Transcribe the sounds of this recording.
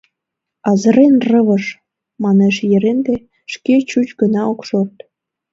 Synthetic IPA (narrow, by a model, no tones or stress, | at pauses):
ɑzə̆ɾenrəβəʃ | mɑneʃjəɾend̪e | ʃket͡ɕut͡ɕɡənɑokʃort̪